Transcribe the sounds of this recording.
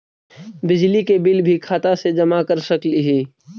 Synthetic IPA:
bɪd͡ʒlikebɪlbʱikʰaːt̪ased͡ʒɐmakəɾsɐkliɦiː

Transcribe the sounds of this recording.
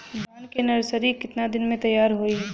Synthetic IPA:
baːnkenɐɾsəɾikɪt̪nad̪ɪnmẽt̪ɐjːaːɾɦoi

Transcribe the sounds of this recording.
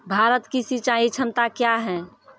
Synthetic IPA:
bʱaɾət̪kisit͡ʃaɦĩt͡ʃʰəmt̪akjaɦɛ̃

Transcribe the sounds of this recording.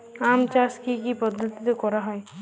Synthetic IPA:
amt͡ʃaskikipɔd̪ʱːɔt̪it̪ekɔɾaɦɔe

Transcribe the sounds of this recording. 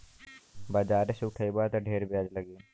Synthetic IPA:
bad͡ʒaːɾesʊʈʰəibat̪ɖʱeːɾbjaːd͡ʒləɡe

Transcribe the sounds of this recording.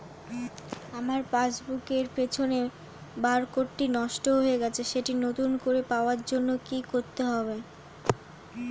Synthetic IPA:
amaɾpad͡ʑbukeɾpet͡ɕʰone | baɾkoʈːinɔʃʈoɦoeɡɛt͡ɕʰeʃeʈinot̪unkoɾepaoaɾd͡ʑonːokikoɾt̪eɦɔbe

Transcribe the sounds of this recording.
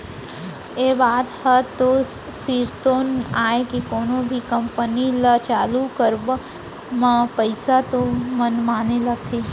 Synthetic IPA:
eːbaːd̪hət̪o | siːɾt̪oːnaːekikoːnõbʱikəmpənilət͡ʃaːlukəɾb | mãpəɪsat̪omənmaːnelət̪ʰeː

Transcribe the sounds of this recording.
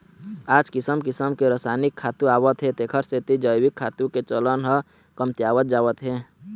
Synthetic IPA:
aːd͡ʒkɪsəmkɪsəmkeɾəsanikʰːaːt̪ũaːwət̪ɦet̪ekʰəɾset̪id͡ʒəjwikʰːaːt̪ũket͡ʃələnɦə | kəmt̪jaːwət̪̚d͡ʒaːwət̪ɦe

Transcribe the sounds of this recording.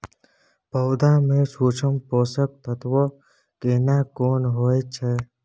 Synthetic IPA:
pəːd̪amẽsuːt͡ʃʰəmpoːsək̚t̪ət̪ʋo | keːnaːkoːnɦoːet͡ʃʰɛ

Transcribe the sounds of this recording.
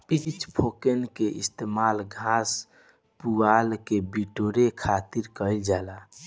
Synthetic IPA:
pit͡ʃpʰokenkeʔist̪eːmalɡʱas | puɡalkebiʈoɾekʰat̪iɾkəɪld͡ʒala

